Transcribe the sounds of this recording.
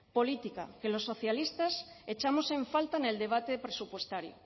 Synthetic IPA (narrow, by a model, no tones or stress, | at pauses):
polit̪ika̰ke̞losːo̞θjalist̪as | et͡ʃamo̞sẽ̞ɱfalt̪ane̞ld̪eβ̞at̪epɾesupwe̞st̪aɾjo̰